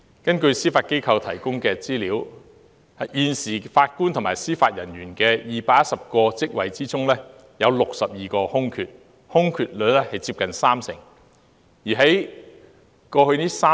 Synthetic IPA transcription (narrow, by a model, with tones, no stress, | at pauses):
kɐ˥nkɵ˧ɥsiː˥faː˧t̚ke˥jkʰɐ˧wt̪ʰɐ˨˩jkʊ˥ŋkɛː˧t͡siː˥liː˨˥w | ɐ˨jiː˨nsiː˨˩faː˧t̚kuː˥nt̪ʰʊ˨˩ŋmaː˨˩jsiː˥faː˧t̚jɐ˨˩njyː˨˩nkɛː˧jiː˨paː˧k̚jɐ˥t̚sɐ˨p̚kɔː˧t͡sɪ˥k̚wɐ˨˩jt͡siː˥t͡sʊ˥ŋlɛː˥ | jɐ˨˧wlʊ˨k̚sɐ˨p̚jiː˨kɔː˧hʊ˥ŋkʰyː˨t̚ | hʊ˥ŋkʰyː˨t̚lɵ˨˧lɛː˥hɐ˨jt͡si˧p̚kɐ˨nsaː˥msɪ̰˨˩ŋ | jiː˨˩ɦɐ˨˥j | kɔː˧hɵ˧niː˥saː˥